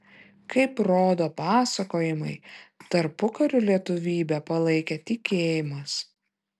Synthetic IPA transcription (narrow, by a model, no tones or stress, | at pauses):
kɐɪpɾoːd̪oːpɑːsɐkoːjɪmɐɪt̪ɐɾpʊkɐɾʲʊlʲiɛt̪ʊʋʲiːbʲɛpɐlˠɐɪkʲɛt̪ʲɪkʲeːjɪmɐs